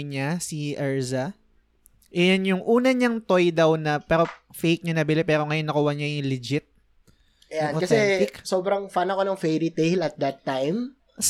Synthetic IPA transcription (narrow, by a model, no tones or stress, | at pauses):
ɲasiʔɛɹzɐ | ʔɛjanjʊŋʔuːnɐɲɐŋt̪o̞jd̪ɐwnɐpɛːɾo̞ | fejk̚ɲanɐbɪlɪpɛːɾo̞ŋɐjonːɐkuwɐɲajʊŋlɪd͡ʒɪt̪̚ | ʔɐjanokɐsɛɪksoːbɾɐŋfanɐkonɐŋfɛɾit̪ɛjlɐt̪̚d̪ɐt̪ːajm